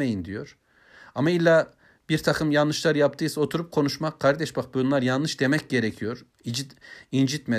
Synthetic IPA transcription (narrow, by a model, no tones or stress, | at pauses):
ejind̪ijo̞ɾ̥ | amailʲːa | b̥iɾt̪ʰakʰɯmjanːɯʃlˠaɾjapt̪ʰɯjso̞t̪ʰuɾup̚kʰo̞nuʃmakʰːaɾd̪ɛʃbak̚buunlˠaɾjanːɯʃd̪e̞mɛc̚ɟe̞ɾecʰijo̞ɾ | id͡ʒiind͡ʒit̪me